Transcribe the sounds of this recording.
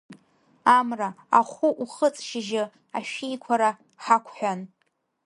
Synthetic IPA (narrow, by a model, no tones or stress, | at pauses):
amra | aχʷʊʔuχət͡sʼʃɪʒɪ | aʃᶣejkʷʰaɾa | ħakʷʰħʷᶣan